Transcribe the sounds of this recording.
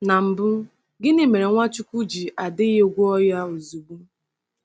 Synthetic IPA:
na˨m̩˨bʊ˦ | ɡɪ˦ni˦me˨ɾe˨ŋʷa˦t͡ʃu˦kʷu˦d͡ʒi˨ʔa˨dɪ˦jo˦˨ɡʷu˦ɔ˦ja˦o˨zu˨ɡ͡bu˦

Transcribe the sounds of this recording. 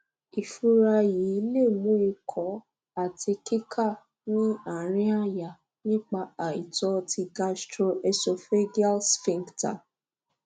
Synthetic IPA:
i˨fu˧ɾa˧ji˨˦le˦˨mũ˨˦i˧kʰɔ˨˦ | a˨tʰi˧ki˦kʰa˦˨ | nĩ˦a˨ɾ̃ĩ˦a˦ja˨ | nĩ˦k͡pa˧a˨i˨tɔ˧tʰi˧ɡa˧stɾo˧ɛ˧so˧fe˦ɡi˦a˦lsfĩ˧ŋɡta̰˨

